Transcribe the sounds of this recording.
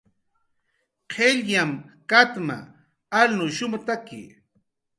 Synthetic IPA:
qʰeʎjamkat̪ma̰ | alnʊʃʊmʊt̪akɪ̰

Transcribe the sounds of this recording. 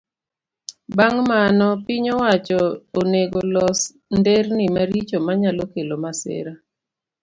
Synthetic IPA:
baŋmanɔpɪɲowat͡ʃɔoneɡolɔs | ndernimaɾit͡ʃomaɲalokelomasɪ̰ɾa

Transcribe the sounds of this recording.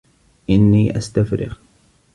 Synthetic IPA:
ʔɪnːiːʔast̪afɾɪ̰ɣ

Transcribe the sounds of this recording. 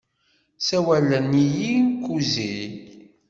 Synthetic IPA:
sæwælːənijinkːuzi

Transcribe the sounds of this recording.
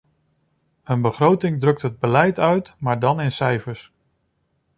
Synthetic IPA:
ənbəχrowtɪŋdrɵk̚tɦəd̚bəlɛjtœɥtmaːɹdɑnɪnsɛjfəɹs

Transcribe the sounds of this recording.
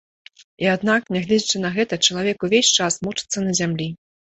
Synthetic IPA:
iad̪naknʲaɣlʲɛd͡zʲit͡ʂɨnɐɣɛt̪ɐt͡ʂɐlˠavʲɛkuvʲesʲt͡ʂasmut͡ʂɨ̥t̪sːɐnɐzʲamlʲi

